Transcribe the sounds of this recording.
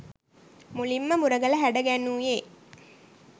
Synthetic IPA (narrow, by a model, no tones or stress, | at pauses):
mulimːəmuɾɐɡəlɐɦæɖɐɡænuːjeː